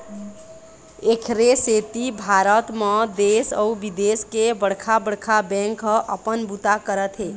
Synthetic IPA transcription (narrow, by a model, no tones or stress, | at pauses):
ekʰɾeset̪ibʱaɾət̪med̪esəubid̪eskebəɽkʰabəɽkʰabɛ̃ŋkəʔəpənbut̪akəɾət̪ɦe